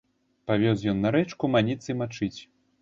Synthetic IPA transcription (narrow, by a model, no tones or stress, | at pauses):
pavʲɔsjɔnːɐɾɛt͡ʂkumanʲit̪sɨjmat͡ʂɨt͡sʲ